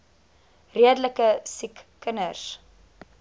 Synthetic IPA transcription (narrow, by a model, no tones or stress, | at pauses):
riədələkəsikːənərs